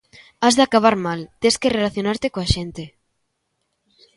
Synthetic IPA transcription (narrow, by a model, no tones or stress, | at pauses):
azðeakaβ̞aɾmalt̪eskerelaθjonaɾt̪ekoaʃent̪e